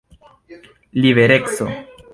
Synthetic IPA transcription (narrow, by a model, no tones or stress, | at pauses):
liβeɾekso̰